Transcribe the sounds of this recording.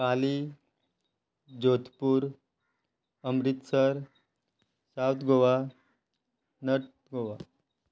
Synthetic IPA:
kali | d͡ʑot̪puːɾ | əmɾit̪səɾ | sawt̪ɡʱoʋa | nəʈ | ɡʱoʋa

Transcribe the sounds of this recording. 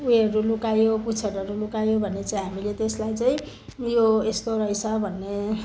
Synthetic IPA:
ueɾulukajoput͡sʰʌɾʌɾulukajobʱʌnːet͡saĩɦamilet̪eslajt͡saĩ | joest̪oɾʌɦjt͡sʰʌbʱʌnːe

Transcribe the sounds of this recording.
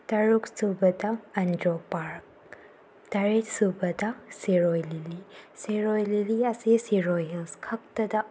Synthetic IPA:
tɐɾuksubɐd̪ɐɐndopaɾk̚ | t̪ɐɾetsubɐd̪ɐsiɾojlilisiɾojliliɐsesiɾojɦelskʰɐk̚tɐd̪ɐ

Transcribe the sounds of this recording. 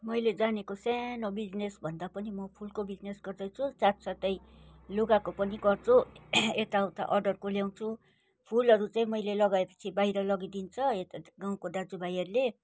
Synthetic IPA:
mʌjled͡zanekosanobid͡znesbʱʌnd̪apʌnimʌpʰulkobid͡znesɡʌrd̪ʌt͡sʰut͡sat̪sat̪ʌjloɡakopʌniɡʌrt͡sʰuet̪aʌwt̪a̰ʔʌrɖʌrkoljaw̃t͡sʰu | pʰulʌɾut͡saĩmʌjlelʌɡaepʌ̥t͡sʰibajɾʌlʌɡid̪int͡sʰʌet̪aɡaw̃kod̪ad͡zubajʌrle

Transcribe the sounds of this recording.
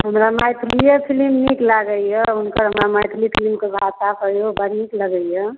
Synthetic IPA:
ɦəmɾamajt̪ʰlijəpʰilimniklaɡəjəunkəɾɦəmɾamajt̪ʰlipʰilimkebʱatakəjobəɾikləɡəijə

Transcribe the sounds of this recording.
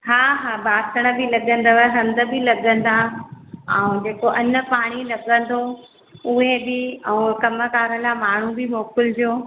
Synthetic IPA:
ɦaːɦaːbaːsəɽ̃ə̆bɪlɐɠə̃n̆d̪əʋəɦɐ̃nd̪ə̆bɪlɐɠə̃n̆d̪a | ɛ̃ːd͡ʑeːkoʔɐnə̆paːɽ̃ilɐɠə̃nd̪ʰʱo | ʊɦebɪɛ̃ːkɐmə̆kaːɾəlamaːɳ̤ubɪmoːkɪld͡ʑoː

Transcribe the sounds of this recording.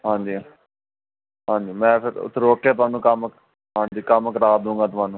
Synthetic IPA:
ɦãːɲd͡ʒiː | ɦãːɲd͡ʒiːmɛ̃ːpʰɪɾʊ̰t̪ʰːɾoːkːeːt̪ʊʋaːnũːkəmk | ɦãːnd͡ʒiːkəmkəɾaːd̪ũːŋɡaːt̪̬ʊʋaːnũː

